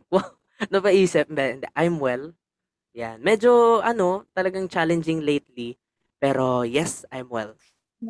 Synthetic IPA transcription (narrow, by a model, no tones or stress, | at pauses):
waw | nɐpɐʔiːsɪp̚nd̪ɛɪnd̪ɛʔajmwɛl | janmɛd͡ʒoʔɐno̞t̪ɐlɐɡaŋt͡ʃalɛnd͡ʒɪŋlejt̪li | pɛːɾojɛsa̰jmwɛ̰l